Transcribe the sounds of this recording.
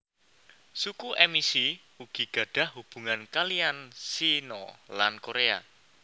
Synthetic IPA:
sukuʔemisi | uɡ̥i̤ɡ̥ä̤ɖ̥ä̤hɦub̥ṳŋankaliansinɔ̰lankoɾea̰

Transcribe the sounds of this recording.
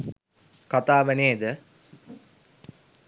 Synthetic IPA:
kat̪aːʋæneːd̪ə

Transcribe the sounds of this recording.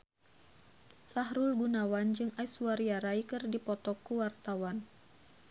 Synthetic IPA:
saɦɾulɡunawand͡ʒɨŋaisuaɾiaɾaikɨrdipɔt̪ɔkːuwart̪awan

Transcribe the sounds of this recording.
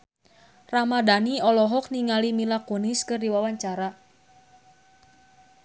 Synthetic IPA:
ramadaniɔlɔɦɔk̚niŋalimilakɔniskɨrdiwawaɲt͡ʃaɾa

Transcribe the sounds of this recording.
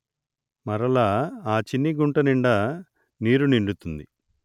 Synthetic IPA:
mɐɾɐlaːaːt͡ʃinːiɡuɳʈɐniɳɖɐ | niːɾuniɳɖut̪und̪i

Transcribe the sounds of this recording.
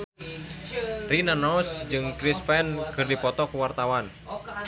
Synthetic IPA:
rinanɔsd͡ʒɨŋkɾispɛnkɨrdipɔt̪ɔkuwart̪awan

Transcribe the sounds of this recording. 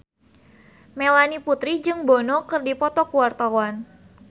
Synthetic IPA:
melaniput̪ɾid͡ʒɨŋbɔnɔkɨrdipɔt̪ɔkuwart̪awan

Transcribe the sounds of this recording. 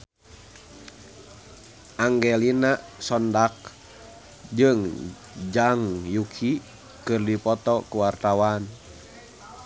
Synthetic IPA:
ʔaŋɡɛlinasɔndak̚ | d͡ʒɨŋ | d͡ʒaŋjukʰi | kɨrdipɔt̪ɔkuwart̪awan

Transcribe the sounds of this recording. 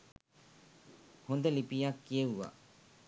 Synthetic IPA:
hond̪əlipijakːijəʋʋa̰

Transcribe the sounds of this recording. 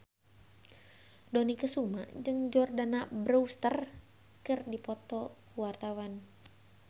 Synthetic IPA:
dɔnikəsuma̰ʔd͡ʒɨŋd͡ʒɔrdanabɾuust̪ər | kɨrdipɔt̪ɔkəwart̪awan

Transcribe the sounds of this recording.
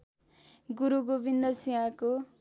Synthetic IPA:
ɡuɾuɡobind̪ʌsiɦãko

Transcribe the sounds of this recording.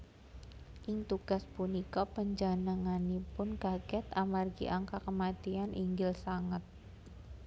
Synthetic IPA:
ʔɪŋt̪uɡ̥aspunikɔpəɲd͡ʒanaŋanipʊnkaɡɛt̪amarɡḭʔaŋkakəmat̪ianʔiŋɡɪlsaŋat̪̚

